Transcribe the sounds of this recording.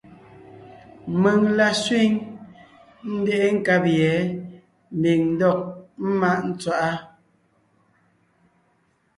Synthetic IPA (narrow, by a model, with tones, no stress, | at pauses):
mə˨ŋla˨sɥwi˦ŋ | n̩˦dɛ˦ʔe˦ŋ̩˦˨ka˦pjɛ˨˦ | m̩˨bi˨ŋn̩˦dɔ˦˨k̚m̩˦ma˦ʔn̩˦t͡swa˦˨ʔa˦